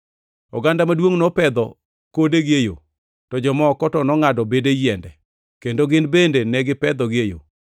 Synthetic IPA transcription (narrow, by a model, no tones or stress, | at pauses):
ɔɡandamadwoŋnɔpɛd̪ɔ | kodeɡejo̰ | tɔd͡ʒɔmɔkɔtɔnɔŋadɔbedejɛndɛ | kendoɡɪnbendenɛɡɪpɛd̪ɔɡejo̰